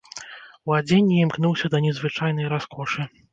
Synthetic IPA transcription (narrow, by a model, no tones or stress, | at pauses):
wad͡zʲenʲːiimknuwsʲɐd̪ɐnʲɛzvɨt͡ʂajnɐjɾaskʰɔʂɨ